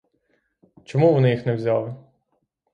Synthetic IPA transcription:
t͡ʃɔmuʋɔnɪjixnɛwzʲɑlˠɪ

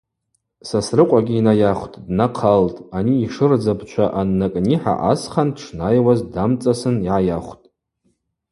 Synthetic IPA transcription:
sasrɨqʷʼaɡʲiinajaχʷtʼdnaqʰaltʼaniːʂɨrd͡zabʰt͡ʃʷʰaʔanːakʼniħa̰ʔa̰sχanʈ͡ʂʰnajwazdamt͡sʼasɨniʕajaχʷtʼ

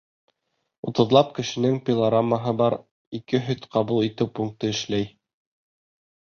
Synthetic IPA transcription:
ut̪ɤ̆ðlˠɑp̚kɘ̆ʃɘ̆nɘŋpʲɪlˠaɾamːəɦɤbɑɾ | ikɘɦɵðqɑβulˠit̪ɘwpuŋk̚t̪ɤɘ̆ʃlæj

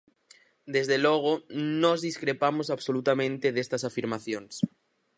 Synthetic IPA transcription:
d̪ezðeloɣ̞onozðiskɾepamos̬aβsolut̪amẽnt̪eðest̪asafiɾmaθjõns

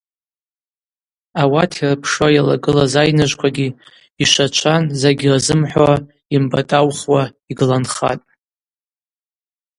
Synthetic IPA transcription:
awatʰirɨpʰʂwajala̰ɡɨlazajnaʒʷkʷʰaɡʲi | iʃʷat͡ʃʷʰanzaɡʲirazɨmħʷa | imbatʼawχwaiɡɨlanχa̰tʼ

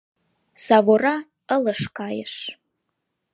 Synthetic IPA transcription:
savora | ələʂkʰaːjɪ̰ʂ

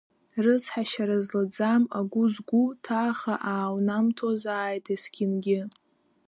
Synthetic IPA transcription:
rɨzħaʃaɾazlad͡zamaɡʷʊzɡʷutʰaːχaʔaːwnamtʰozaːjtʰesɡʲɪmɡʲɪ

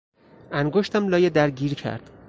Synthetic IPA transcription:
æŋɡoʃt̪ʰæmlɒːjed̪æɾɟiːɾcʰæ̰ɾd̪̥

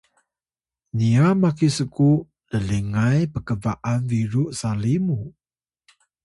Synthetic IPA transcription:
niamakisəku | ləliŋajpəkəvaʔanviɾuʔsalimu

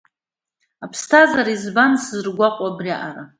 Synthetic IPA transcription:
apʰstʰazaɾizbanszɨrɡʷaqʷʼabriaʔaɾa

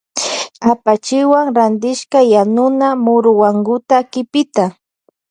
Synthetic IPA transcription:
apat͡ʃɪwaŋɾand̪ɪʃkajanʊnamʊɾʊwaŋɡʊt̪akɪpɪt̪a

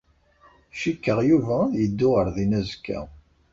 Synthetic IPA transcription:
ʃikːəʁjuvæjəd̪ːʊʁəɾðinæzkːæ̰

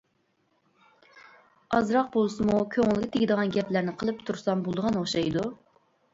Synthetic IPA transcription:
ɑzɾɑq̚bolˠsɨmukʲʰøŋɪlˠɡʲɛt̪ʰeɡʲɪd̪əʁɑnɡʲɛplæɾnɪqʰəlˠɨpt̪ʰuɾsɑmbolˠd̪əʁɑnoχʃɑjd̪u

